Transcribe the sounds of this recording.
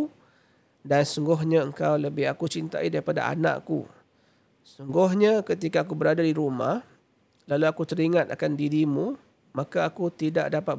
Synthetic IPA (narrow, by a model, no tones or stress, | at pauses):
dansuŋɡʊɦɲãəŋkawləbɪɦakut͡ʃint̪a̰idaɾipada̰a̰nã̰ʔkṵ | suŋɡʊɦɲakət̪ikaːkubəɾadadiɾuma̰h | laluakut̪əɾiŋat̪a̰kandiɾimũ | mãkaːkut̪ida̰ʔdapat̪̚